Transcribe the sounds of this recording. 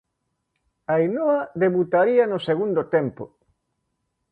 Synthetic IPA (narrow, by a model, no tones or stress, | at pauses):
ainoɐðeβut̪aɾiɐnʊseɣund̪ot̪empʊ̰